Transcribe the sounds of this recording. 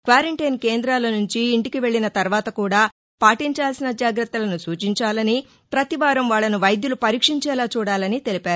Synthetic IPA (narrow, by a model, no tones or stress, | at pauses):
kʋaːɾɐɳʈɐjnkeːnd̪ɾaːlɐnuɲt͡ʃiːɳʈikiʋe̞ɭːinɐt̪ɐɾʋaːt̪ɐkuːɽaː | paːʈiɲt͡ʃaːlsinɐd͡ʒaːɡɾɐt̪ːɐlɐnusuːt͡ʃiɲt͡ʃaːlɐni | pɾɐt̪iʋaːɾɐmʋaːɭːɐnuʋɐjd̪julupɐɾiːkʂiɲt͡ʃɛːlaːt͡ʃuːɽaːlɐnit̪e̞lipaːɾu